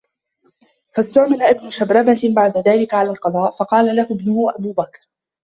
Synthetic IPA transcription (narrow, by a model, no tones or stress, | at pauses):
fast̪ʊʕmɪlaʔɪbnʊʃabɾˤɑbabaʕd̪aðaːlɪkaʕalaːlqɑðˤɑːʔfɑqɑːlalahʊbnʊhʊʔabuːbakɾ